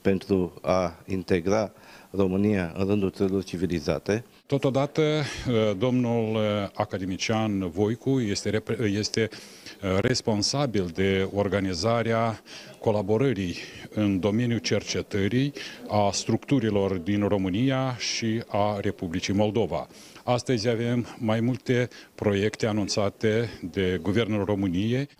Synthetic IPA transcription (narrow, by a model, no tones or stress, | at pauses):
pe̞nt̪ɾuaint̪e̞ɡɾaro̞mɨnijaɨ̰nɾɨnd̪ult̪səɾilo̞rt͡ʃiviliza̰t̪e̞ | t̪o̞t̪o̞d̪at̪əd̪o̞mnulakad̪e̞mit͡ʃianvo̞jkuje̞st̪eeje̞st̪e̞ | re̞spo̞nsabild̪e̞o̞rɡanizaɾeako̞labo̞ɾəɾijɨnd̪o̞me̞njut͡ʃe̞rt͡ʃe̞t̪əɾijast̪ɾukt̪uɾilo̞rd̪inro̞mɨnijaʃiare̞publit͡ʃijmo̞ld̪o̞va̰ | ast̪əzʲave̞mːajmult̪e̞pɾo̞je̞kt̪e̞anunt̪sat̪e̞d̪e̞ɡuve̞rnulro̞mɨnije